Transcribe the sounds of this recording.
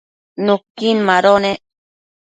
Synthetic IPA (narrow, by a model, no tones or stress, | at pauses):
nukːinmaɾone